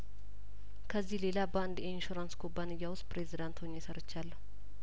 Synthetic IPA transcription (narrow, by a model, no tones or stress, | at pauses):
kʰəzːihle̞labaɨnd̪inʃuɾanskʰobːanɨjːawʊst̪pɾe̞zid̪ant̪ʰoɲːjɛsəɾɨt͡ʃːalːəu